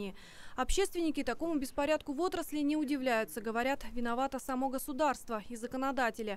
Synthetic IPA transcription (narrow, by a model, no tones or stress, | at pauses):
ɪɪ | ɐpɕːe̞st̪vʲɪnʲɪkʲɪt̪ɐko̞mʊbʲɪspɐɾʲat̪̚kʊvo̞t̪ɾəslʲɪnʲɪʊdʲɪvlʲæjʊt̪səɡəvɐɾʲat̪vʲɪnɐvat̪əsɐmo̞ɡəsʊd̪arst̪vəizəkənɐd̪atʲɪlʲɪ